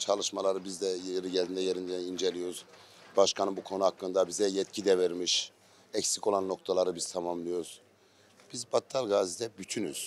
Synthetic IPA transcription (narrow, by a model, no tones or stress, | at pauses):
t͡ʃʰalˠɯʃmalˠaɾɯbizd̪ɛjɛɾiɟɛlʲind̪ɛjeɾind̪ɛind͡ʒelʲijo̞ɾuz̥ | baʃkʰanɯnbukʰo̞nuhakːɯnd̪abizɛjɛt̪cʰid̪ɛvɛɾmiʃ | ɛcsico̞lˠanːo̞kt̪ʰalˠaɾɯbizt̪ʰamamlˠɯjo̞ɾuz̥ | b̥izbat̪ʰːalɡaːzid̪ɛbyt̪ʰyny̰z̥